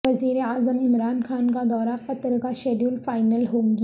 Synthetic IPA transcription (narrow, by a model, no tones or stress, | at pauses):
ɐziːɾeaːzəmɪmɾaːnxaːnkad̪ɔːɾaqɐt̪ɾkaʃeːɖjuːlfaːɪnəlɦoːŋɡ